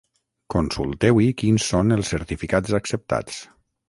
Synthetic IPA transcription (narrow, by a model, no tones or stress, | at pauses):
konsṵlˠt̪ɛwikinsːonəlˠsːəɾt̪ifikazaksəp̚t̪a̰t͡s